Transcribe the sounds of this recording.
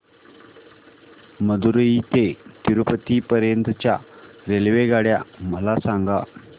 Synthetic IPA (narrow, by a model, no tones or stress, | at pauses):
məd̪uɾəit̪et̪iɾupət̪iːpəɾjənt̪ət͡ɕjaɾelʋeɡaɽjaməlasaŋɡa